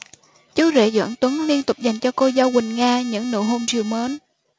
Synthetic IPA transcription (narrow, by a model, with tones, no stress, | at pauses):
t͡ɕə˨˦zḛ˧˩zwə̰ː˧˥nt̪wə˨˦ŋli˧ənt̪ʊ˨˩k͡p̚za˨˩jŋ̟t͡ɕɔ˧ko˧za˧wwï˨˩ŋ̟ŋaː˧ɲɨ̰˧˥ŋnɨ̰˧˩ɦo˧mzi˨˩wməː˨˦n